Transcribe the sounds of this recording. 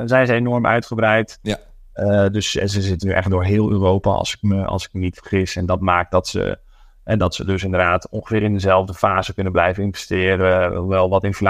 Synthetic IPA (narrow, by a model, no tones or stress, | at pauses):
zɛjnzəenɔɹmœ̰ɥtχəbrɛjt | døszəzɪtənyʔɛ̰χ̚dʊːɹɦɪːlˠøːrowpa̰ɑ̰lˠsɪ̥kməɑ̰lˠsɪ̥kmənitfərχɪsɛndɑtmaːk̚dɑtsə̰ | ɦɛdɑtsədɵsɪndərdaːtɔ̃ŋχəfɪːɾɪndəzɛlˠvdəfaːzəkɵnəblɛjvənɪnvɛstɪːɾəʋɛlˠʋɑtɪnfl